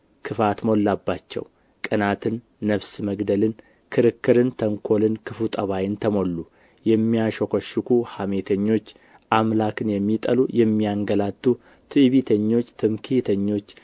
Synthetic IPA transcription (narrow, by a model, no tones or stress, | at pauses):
kʰɨfat̪mo̞lːabːat͡ʃːɛ̰w | kʼɨnat̪ʰɨnː | əβsməɡd̪əlɨn | kʰɨɾɨkːɨɾɨnt̪ʰəŋkʰo̞lɨnkʰɨfut̪ʼəβajɪnt̪ʰəmo̞lːu | jɛmːijaʃokʷʰoʃːɨkʰuhame̞t̪ʰəɲːo̞t͡ʃː | ʔamlakɨnjɛmːit̪ʼəlujɛmːijaŋɡəlat̪ʼːu | t̪ʰɨβit̪ʰəɲːo̞t͡ʃːt̪ʰɨmkʰit̪ʰəɲːo̞t͡ʃː